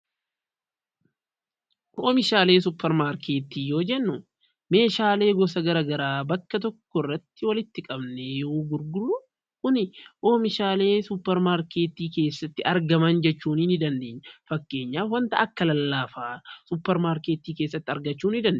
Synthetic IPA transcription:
hoːmɪʃaːleːs̬ʊpːɛɾmaːɾkʰe̞ːt̪iːjo̞ːd͡ʒɛnːʊ | me̞ːʃaːle̞ːɡɔs̬ɐɡɐɾɐːɡɐɾaːbɐkːɐt̪̬ɔkːɔrːɐt̪ːɪwɐlɪt̪ːɪkʼɐbnejoɡʊɾɡʊɾʊ | kʊnɪʔoːmɪʃaːle̞ːsʊpːɛɾmaːɾke̞ːt̪iːke̞ːsːɐt̪ːɪɐɾɡɐmɐnd͡ʒɛt͡ʃːuːnɪnɪd̪ɐnd̪eːɲːɐfɐkːe̞ːɲːaːfwɐnt̪ɐʔɐkːɐlɐlːaːfaːsʊpːɛɾmaːɾke̞ːt̪iːke̞ːsːɐt̪ːɪɐɾɡɐt͡ʃːuːnɪd̪ɐnd̪

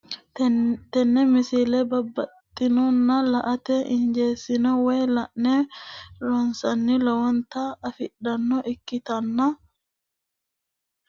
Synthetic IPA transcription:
t̪ɛnːɛmɪsɪlɛbɐbːɐt̪ʼːɪnɔnːɐlɐʔɐt̪ɛʔɪɲd͡ʒeːsɪnɔweːlɐʔnɛɾɔnsɐnːɪlɔwɔnt̪ɐːfɪɗɐnːɔʔɪkːɪt̪ɐnːɐ

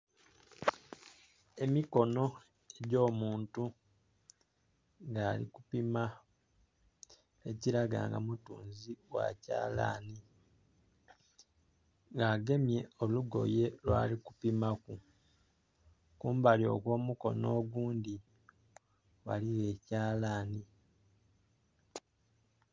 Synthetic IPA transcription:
e̞miko̞no̞ | eɟo̞ːmuːntu | ŋɡaːlḭkupima | eciɾaɡa̰ːŋɡa̰mutṵːnziwa̰ca̰ːla̰ni | ŋɡaːɡe̞mje̞o̞luɡo̞̰je̞lwa̰ːliku̥pimaku | kuːmbaljo̞̰kwo̞ːmuko̞̰no̞ːɡuːndi | wa̰liwe̞ːcaːlaːni

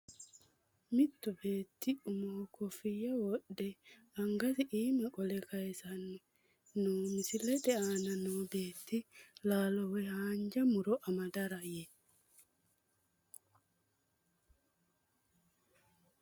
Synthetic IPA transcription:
mɪt̪ːʊbe̞ːt̪ːɪʊmokʰɔfɪjːɐwɔɗɛ | ɐŋɡɐsɪʔiːmɐkʼɔlɛkɐjsɐnːʊ | nuːmɪsɪlɛᶑɛaːnɐnobe̞ːt̪ːɪlaːlɔwɛhaːnd͡ʒɐmʊɾɔʔɐmɐd̪ɐɾɐjɛ

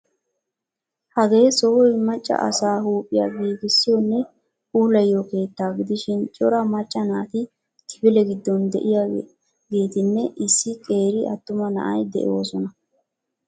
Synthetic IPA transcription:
hɐɡeːsoːɔjmɐt͡ʃʼːɐ̰ʔɐ̰saːhuːpʼːɪja̰ːɡiːɡɪsːɪjɔnːɛ | uːlɐjːoke̞ːt̪ːaːɡɪd̪ɪʃɪnt͡ʃʼɔɾɐmɐt͡ʃʼːɐnaːt̪ɪ | t̪ʰɪ̥bɪlɛɡɪd̪ːɔnd̪ɛ̰ʔɪja | ɡe̞ːt̪ɪnːɛʔɪsːɪkʼe̞ːɾɪɐt̪ːʊmɐnɐ̰ʔɐjd̪ɛ̰ʔo̞ːsɔnɐ

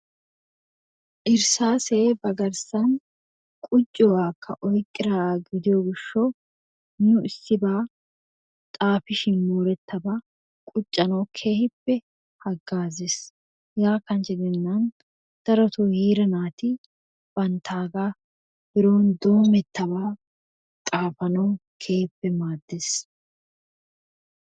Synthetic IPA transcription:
ʔɪɾsaːseːbɐɡɐɾsɐn | kʼʊt͡ʃʼːɔwaːkʰːɐ̰ʔɔjkʼːɪɾaːɡɪd̪ɪjoːɡɪʃːɔ | nʊʔɪsːɪbaː | t̪ʼaːfɪʃɪnmuːɾɛt̪ːɐbɐ | kʼʊt͡ʃʼːɐnowkʰe̞ːhɪpːɛ | hɐɡːaːzes | jaːkːɐnt͡ʃɪd̪ɛnːɐn | d̪̥ɐɾɔt̪uhiːɾɐnaːt̪ɪ | b̥ɐnt̪ʰaːɡa | b̥ɪɾoːnd̪oːmɛt̪ːɐβaː | t̪ʼaːfɐnɐwkʰe̞ːhɪpːɛmaːd̪ːes

